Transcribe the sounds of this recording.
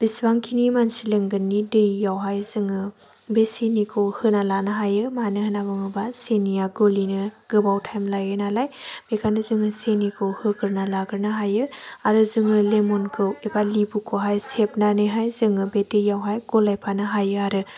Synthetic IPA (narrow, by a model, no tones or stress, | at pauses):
b̥isbaŋkʰinimansilɯŋɡɯnːidɯjːawɦajzɯŋɯ | besinikʰohɯnalanɯɦajɯmanɯhɯnabɯŋɯbasenijaɡolinɯɡ̥ɯbawtʰajmlajɯnalajb̥ekʰanɯzɯŋɯsenikʰohɯkʰɯɾnalaɡɯɾnɯɦajɯaɾɯzɯŋɯlemɔnkʰɯwebalibukʰoɦajsep̚nanɯjɦajzɯŋɯbedɯjːawɦajɡɔlajpʰanɯɦajɯaɾɯ